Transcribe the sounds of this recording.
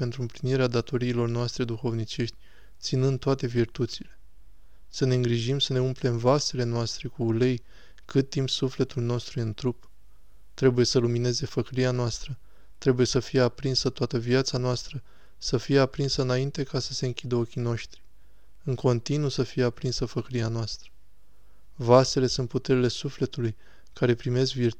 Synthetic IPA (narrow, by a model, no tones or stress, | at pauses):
pe̞nt̪ɾuɨmpliniɾead̪at̪o̞ɾiːlo̞rnoast̪ɾe̞d̪uxo̞vnit͡ʃe̞ʃt̪ʲ | t̪sinɨnd̪̚t̪ːoat̪e̞virt̪ut̪sile̞ | səne̞ɨŋɡɾiʒimsəne̞umple̞mvase̞le̞noast̪ɾe̞kuːlej | kɨt̪ːimp̪sufle̞t̪ulno̞st̪ɾujɨnt̪ɾup | t̪ɾe̞buje̞səlumine̞ze̞fəkɾianoast̪ɾə | t̪ɾe̞buje̞səfije̞apɾinsət̪oat̪əviat̪sanoast̪ɾə | səfije̞apɾinsəɨnaint̪e̞kasəse̞ɨŋkʲid̪əo̞kʲino̞ʃt̪ɾi̥ | ɨŋko̞nt̪inusəfijeapɾinsəfəkɾianoast̪ɾə̥ | vase̞le̞sunt̪put̪e̞ɾile̞sufle̞t̪uluj | kaɾe̞pɾime̞skvirt̪